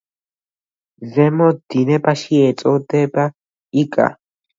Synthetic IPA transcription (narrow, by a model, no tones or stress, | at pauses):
vɛmɔd̪inɛpaʃiɛt͡sʼɔt̪ɛpa | ikʼa̰